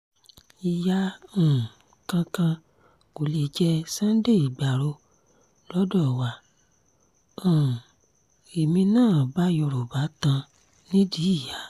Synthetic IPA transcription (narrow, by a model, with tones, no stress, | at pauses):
i˨ja˧˦ũ˨ | kã˧kã˧ | ko˨le˨˧d͡ʒɛ˧sã˦n̩˦de˦˨i˨ɡ͡ba˨ɾo˧ | lɔ˦dɔ˦˨wa˧˨ | ã˨ | e˨mĩ˧nãː˦˨ba˨˦jɔ˧ɾo˨ba˨˦tã˧ | nĩ˦di˨˦i˦˨ja˨˦